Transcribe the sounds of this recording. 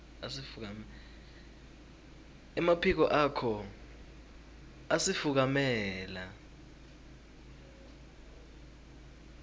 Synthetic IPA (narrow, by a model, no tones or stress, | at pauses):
asifuk̬am | ɛmapʰik̬ɔʔakʰɔ | asifuk̬amɛːla